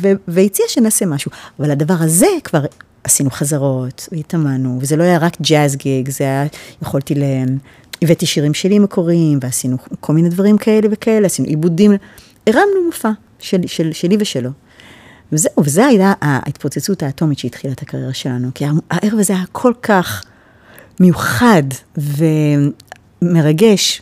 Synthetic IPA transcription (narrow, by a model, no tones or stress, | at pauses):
veveit͡siaʃenasemaʃuavaladavaʁaze̞kv̥aʁ | asinuχazaʁo̞tveitamanuvezelo̞ajaʁakd͡ʒazɡeɡzeajajeχoltile | ivetiʃiʁimʃelime̞kʰo̞ʁimveasinukʰo̞lmine̞dvaʁimkʰae̞le̞ve̞kae̞leasinṵʔibudim | eʁamnumufa | ʃeʃelʃeliveʃelo̞ | vezeuvezeajaʔa̰it̪pot͡set͡sutaːto̞mitʃeit̪χilatʰakaʁje̞ʁaʃe̞lanukiaaʔeʁevazeajakʰo̞lkʰaχ | mejuχadve̞ | me̞ʁaɡe̞ʃ